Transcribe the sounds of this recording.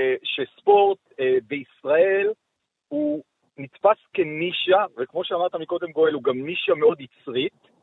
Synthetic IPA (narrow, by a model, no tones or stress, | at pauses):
ʃespo̞ʁt̪veisʁae̞l | hu | nit͡spaskeniʃavekmo̞ʃeamaʁt̪amiko̞d̪e̞mɡo̞eluɡamniʃameo̞d̪it͡sʁit̪